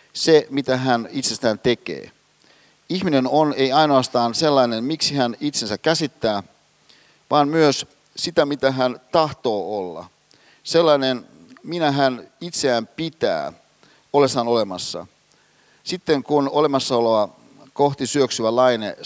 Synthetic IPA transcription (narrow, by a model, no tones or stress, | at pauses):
semit̪æɦænit̪se̞st̪æːnt̪e̞kḛː | ihminenoneiɑijnoɑst̪ɑːnse̞lːɑinenmiksiɦænit̪sensækːæsit̪ːæː | ʋɑːnmyøs | sit̪æmit̪æɦænt̪ɑht̪o̞ːolːɑ̰ | selːɑinen | minæɦænit̪seæːmpit̪æ̰ː | ole̞sːɑno̞le̞mɑsːɑ̰ | sit̪ːeŋkunole̞mɑsːɑoleʋɑ | koxt̪isyøksyʋælɑinḛ